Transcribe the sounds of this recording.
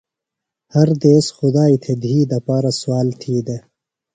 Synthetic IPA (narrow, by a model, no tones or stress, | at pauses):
hɐɾd̪eːsxʊd̪aːit̪ʰed̪iːd̪ɐpaːɾaswɑːlt̪ʰiːd̪e